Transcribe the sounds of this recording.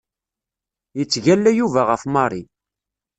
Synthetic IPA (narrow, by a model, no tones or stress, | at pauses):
jət͡sːʝælːæjuvæʁəfmɑɾˤi